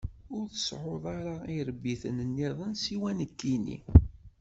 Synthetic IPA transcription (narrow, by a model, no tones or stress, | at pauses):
ʊɾθə̥sʕoðˤaɾaiɾəbːiθə̰nənːiðˤənsiwænəkːinḭ